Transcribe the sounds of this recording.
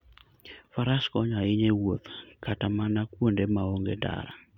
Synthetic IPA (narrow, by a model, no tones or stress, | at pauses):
faɾaskɔɲaɪɲewot̪katamanakwondemaoŋɡeda̰ɾa̰